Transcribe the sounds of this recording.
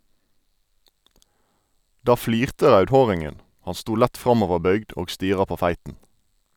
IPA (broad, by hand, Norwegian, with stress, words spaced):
ˈdɑː ˈfliːʁtə ˈʁɑʉdˌhoːʁɪŋən ˈhɑn ˈstuː ˈlæt ˈfʁɑmɔʋəˌbœʏɡd ˈoːɡ ˈstiːʁɑ ˈpoː ˈfæɪtn̩